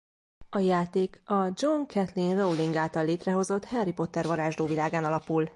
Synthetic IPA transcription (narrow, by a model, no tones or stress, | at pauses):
ɒjaːt̪eːkɒd͡ʒoŋkʰɛt̪linrowliŋɡaːlt̪ɒlːeːt̪rɛɦo̞zo̞t̪hɛrːipo̞t̪ːɛrvɒɾaːʒd̪oːvilaːɡaːnɒlɒpul